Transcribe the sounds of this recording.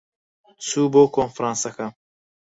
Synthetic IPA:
t͡sʰuboːkʰonfɾɑ̃ːnsɐkɐm

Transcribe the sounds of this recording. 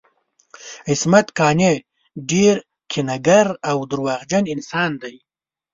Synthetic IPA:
ɪsmat̪kɑːne | ɖeɾ | kʰɪnaɡaɾawd̪ʊɾwɑɣd͡ʒanɪnsɑːnd̪aj

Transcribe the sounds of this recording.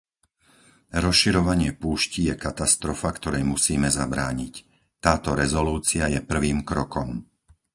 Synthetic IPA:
ɾɔsʃiɾɔʋaɲɪɛpuːʃcijɛkat̪ast̪ɾɔfakt̪ɔɾɛjmusiːmɛzabɾa̰ːɲic | t̪aːt̪ɔɾɛzɔluːt͡siajɛpr̩ʋiːmkɾɔkɔm

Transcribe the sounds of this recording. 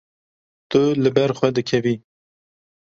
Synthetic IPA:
t̪ɨlɨbɛɾxʷɛd̪ɨkʰɛviː

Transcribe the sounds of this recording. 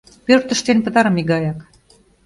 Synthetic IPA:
pørt̪ə̆ʃt̪enpə̆t̪ɑɾɤ̆miɡɑjɑk

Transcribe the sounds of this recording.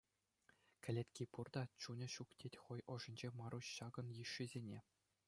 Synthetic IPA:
kʲɘ̆lʲet̪ʲkʲipurd̪ɑt͡ɕunʲɤ̆ɕuktʲetʲχojŏʐɤ̆nʲd͡ʑemɑɾuɕɕɑɡɤ̆njiʂːizʲenʲe

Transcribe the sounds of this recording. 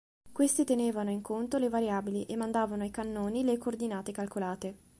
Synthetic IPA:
kwest̪it̪eneːvanoiŋkʰont̪olevaɾjaːbiliʔemːand̪aːvanoajkanːoːnilekoːrd̪inaːt̪ekalkolaːt̪e

